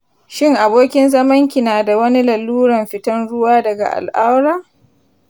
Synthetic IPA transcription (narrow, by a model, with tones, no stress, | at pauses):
ʃɪ˦ŋʔa˨boː˦kʲɪ˦nzɐ˦mɐ˦ŋkʲi˨naː˨da˨wɐ˦ni˦lɐ˨lːuː˦ɽɐ˨mɸɪ˦tɐ˦nɽʊ˦waː˦dɐ˨ɡa̰˨ʔa̰˨lʔa˦wɾaː˦˨